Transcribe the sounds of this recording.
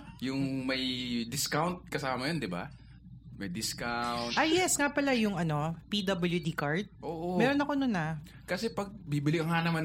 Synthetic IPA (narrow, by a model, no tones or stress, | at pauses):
jʊŋmɐjd̪ɪskawnt̪̚kɐsaːmɐjond̪ɪba̰ | mɐjd̪ɪskawnt̪ʔajjɛsŋapɐlajʊŋɐno̞pid̪ɐbɐljud̪ikaɹt̪̚ʔoːʔomɛːɾonɐkonʊnɐ | kɐsɛpɐɡ̚bibɪlɪkɐŋanɐma